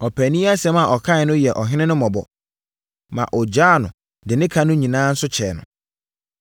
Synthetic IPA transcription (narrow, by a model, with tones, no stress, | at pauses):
ɔ˨pʰæ˨nĩ˦a˦sɛ˦ma˨ʔɔ˨kʰã˦ɪ˨nʊ̃˦jɛ˨ʔɔ˨ɦɪ˦nɪ̃˦nʊ̃˦mɔ̃˨bɔ̰˨ | mã̰˨ʔɔ˨d͡ʑaː˦˨nʊ̃˨ | dɪ˨nɪ̃˦kʰa˦nʊ̃˦ɲĩ˨nãː˦n̩˦sʊ˦t͡ɕʰɛː˨nʊ̰̃˨